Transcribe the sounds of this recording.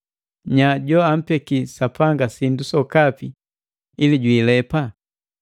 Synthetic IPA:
ɲaɟɔam̩pɛkisapʰaŋɡasindusɔkapi | iliɟwiːlɛpa

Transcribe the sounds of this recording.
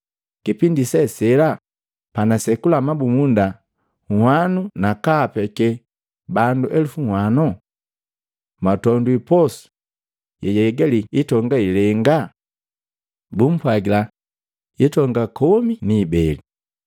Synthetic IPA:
kipindisɛsɛla | panasɛkulamabumunda | ŋhwanunakaːpɛkɛ | banduʔɛlufuŋhwanɔ | matɔnduipɔsu̥ | jɛjɛɡɛliitɔŋɡailɛŋɡa | bum̩pwaɡila | itɔŋɡakɔminiːbɛli

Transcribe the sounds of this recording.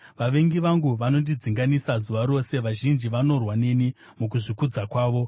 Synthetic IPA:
ʋaʋe̞ŋɡiʋaŋɡuʋano̞ndid͡ziŋɡanisazuʋaɾo̞se̞ʋaʒind͡ʒiʋano̞rwane̞ni | muk̬uʐikud͡zakwaːʋo̞

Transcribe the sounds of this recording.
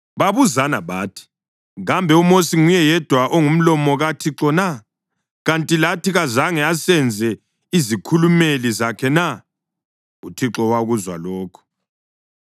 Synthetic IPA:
βaβuzanaβaːtʰi̥ | ɣambʱɛumosiŋujɛjɛd̥ʱwaʔoŋum̩lɔmɔɣatʰiǁɔna | ɣantʼilatʰiɣazaŋɛasɛnd͡zʱɛ | izikʰulumelizakʰɛna | utʰiǁɔwaɣuzwa̰lɔːkʰɔ̥

